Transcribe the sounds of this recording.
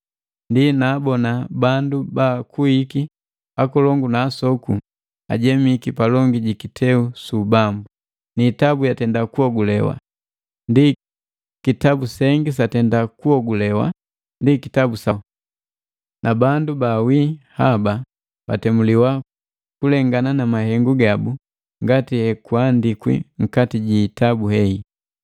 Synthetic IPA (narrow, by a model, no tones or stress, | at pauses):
ndinaːbɔnabandubaːkuiki | akɔlɔŋɡunaːsɔku | a̰ɟɛmikipalɔŋɡiɟikitʰɛusubambu | niːtabujatɛndakuɔɡulɛwa̰ | ndi | kitabusɛŋɡis̬atɛndakuɔɡulɛwa̰ | ndikitabusa | nʔabandubawiːhaba | b̥a̰tɛmuliwa | kulɛŋɡananamaɦɛŋɡuɡabu | ŋɡatihɛkuandikwḭŋ̩katiɟiːtabuhɛi